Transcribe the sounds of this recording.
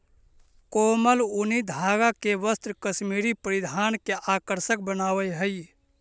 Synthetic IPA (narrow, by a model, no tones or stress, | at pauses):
koməlunid̪ʱaɡakeʋəst̪ɾkəsmiɾipəɾid̪ʱankeʔakəɾsək̚bənaːwəjɦəj